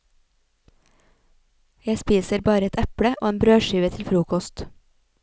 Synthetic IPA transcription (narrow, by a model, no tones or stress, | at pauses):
jæɪspiːsəɾbɑːɾəɛt̪ʰæpɽəʔo̰ːeːnbɾøːʃyːʋət̪ʰɪlfɾuːkɔst̪